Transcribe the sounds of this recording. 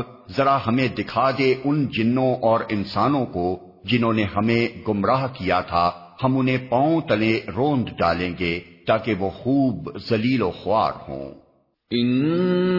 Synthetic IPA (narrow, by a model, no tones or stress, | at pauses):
zɐɾaɦɐmẽd̪ɪkʰaːd̪eʔʊnd͡ʒɪnːõʔɔːɾɪnsaːnõko | d͡ʒɪnɦõːneɦɐmẽɡʊmɾaːɦkijat̪ʰa | hɐmʊnɦẽpãːõt̪ɐlẽɾõːnd̪ɖaːlẽːɡet̪aːkeʋoːxuːbzɐliːloxʊa̰ːɾhõ̰ː | ɪn